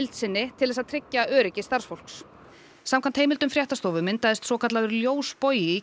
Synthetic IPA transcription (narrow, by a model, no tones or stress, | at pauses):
lt̪sɪnːɪt̪ʰɪlɛs̬aðt̪ʰɾɪcːaʔœːɾɪcɪst̪aɾ̥sfowl̥ks | samkʰant̪hejmɪlt̪ʏmfɾjaht̪ast̪oːwvʏmɪnt̪aðɪst̪sɔːkʰat̪laðʏɾljoːwspoːjɪ